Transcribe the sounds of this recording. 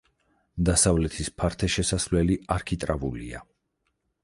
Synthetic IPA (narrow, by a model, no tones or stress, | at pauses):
d̪asavlɛt̪ʰispʰaɾt̪ʰɛʃɛsasvlɛliaɾkʰit̪ʼɾavulḭa̰